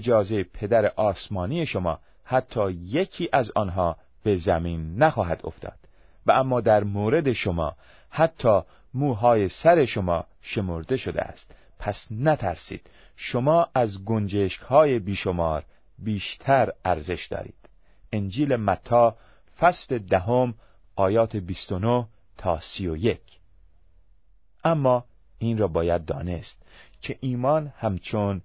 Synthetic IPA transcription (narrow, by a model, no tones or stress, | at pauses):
ed͡ʒɒːzejepʰe̞d̪æɾeʔɒːsmɒːniːje̞ʃo̞mɒ̰ː | hæt̪ʰːɒːje̞kʰiːʔæzɒːnɦɒː | b̥e̞zæmiːnːæxɒːɦæd̪o̰ft̪ʰɒ̰ːd̪̥ | væʔæmːɒːd̪æɾmoːɾe̞d̪e̞ʃomɒ̰ː | hæt̪ʰːɒː | muːɦɒːjesæɾe̞ʃo̞mɒː | ʃe̞mo̞ɾd̪e̞ʃo̞d̪ḛæ̰st̪ | pʰæsnæt̪ʰæ̰ɾsḭːd̪̥ | ʃo̞mɒːʔæzɡond͡ʒeʃkhɒːje̞biːʃo̞mɒːɾ | biːʃt̪ʰæɾæɾze̞ʃd̪̥ɒ̰ːɾḭːd̪̥ | end͡ʒiːle̞mæt̪ʰːɒː | fæsle̞d̪æɦom | ʔɒːjɒːt̪ʰebist̪onoh | t̪ʰɒːsijoje̞kʰ | ʔæmːɒː | iːnrɒːbɒːjæd̪̚ːɒ̰ːne̞st̪̚cʰe̞ʔiːmɒːnhæmt͡ʃʰon